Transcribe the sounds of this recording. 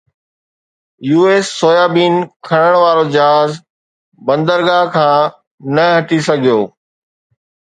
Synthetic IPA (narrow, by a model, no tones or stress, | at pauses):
juːeːsːoːjaːbiːnkʰɐɽ̃əɽ̃ʋaːɾod͡ʑɐɦaːz | bɐ̃nd̪əɾɡaɦkʰãː | nɐɦɐʈisɐɡʱijoː